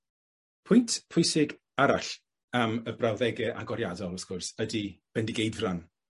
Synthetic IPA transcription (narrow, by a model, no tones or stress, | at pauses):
pʰʊjntʰpʰʊjsɪɡ | aɾaɬ | aməbrawðɛɡɨʔa̰ɡɔɾjadɔlˠəskʊrsədib̥ɛndiɡejdvran